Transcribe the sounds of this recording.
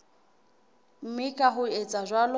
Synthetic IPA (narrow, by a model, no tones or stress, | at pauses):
m̩mɪkʼaɦʊet͡sʼaʒʷwalʊ